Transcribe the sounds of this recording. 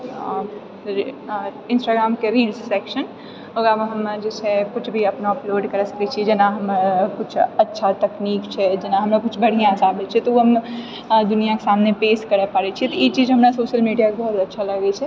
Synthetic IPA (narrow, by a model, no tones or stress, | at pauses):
ɪ̃nsʈaɡɾaːmkeɾiɖssekʃən | oɡaʋɦəmd͡ʒet͡ʃʰɛkʊt͡ʃʰbʱiəpnaəploɖkəɾsə̥kɛt͡ʃʰid͡ʒenaɦəmɾkut͡ʃʰətːʃʰat̪ɐkniːkt͡ʃʰɛd͡ʒenaɦəmnakʊt͡ʃʰbəɽ̤ijãɦəsabɛt͡ʃʰɛt̪ɔoɦəm | d̪unijake̥samnepeskəɾəpaɾɛt͡ʃʰit̪ɔit͡ʃid͡ʒɦəmɾasoʃəlmiɖijakebʱɔɦut̪ətːʃʰaləɡɛt͡ʃʰɛ